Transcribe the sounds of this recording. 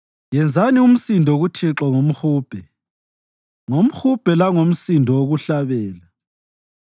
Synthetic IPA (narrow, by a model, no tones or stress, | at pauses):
jɛnd͡zʱanium̩sindʱɔɣutʰiǁɔŋom̩xuːb̥ʱɛ | ŋom̩xub̥ʱɛlaŋom̩sindʱɔwoɣuɬaβɛːla